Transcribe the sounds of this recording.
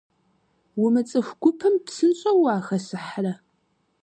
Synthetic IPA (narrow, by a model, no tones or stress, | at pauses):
wʊmɨt͡sʼɨxʷɡ̥ʷʊpʰɨmpsɨnɕʼɐwaːxɐsɨħrɐ